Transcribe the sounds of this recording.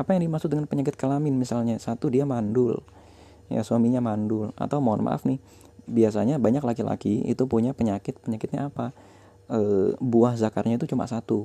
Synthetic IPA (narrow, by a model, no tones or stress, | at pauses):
ʔapajaŋdimasʊk̚dəŋanpəɲakɪt̪̚kəlamɪnmisalɲasat̪udiamandʊl | ja̰suamiɲamandʊla̰t̪awmaanma̰ʔa̰fnɪh | bias̬aɲabaɲaklakila̰kiḭt̪upuɲapəɲakɪt̪̚pəɲakɪt̪̚ɲaːpa | əbuahzakarɲait̪ut͡ʃuma̰sat̪u